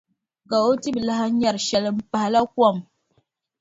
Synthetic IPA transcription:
ka˨o˦ti˦bla˦ɦa˦ɲa˨ɾʃɛ˨lɨ˨m˦pa˨ha˨la˦kwa˦˨m

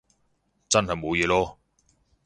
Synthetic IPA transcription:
t͡sɐ˥nɦɐ˨jmo˨˧wjɛː˨˧lɔː˥

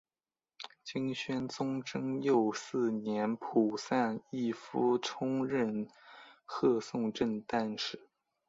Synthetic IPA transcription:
t͡ɕi˥ŋɕɥɛ˥nt͡sʊ˥ŋʈ͡ʂɤ˥ŋjo˥˧ʊsɹ̩˥˩njɛ˧˥npʰu˨˩sa˥˧ni˥˩fu˧˥ʈ͡ʂʰʊ˥ŋɻə˥˧n | xɤ˥˧sʊ˥˧ŋʈ͡ʂə˥˧nt̪a˥˧nʂɻ̩˥˩

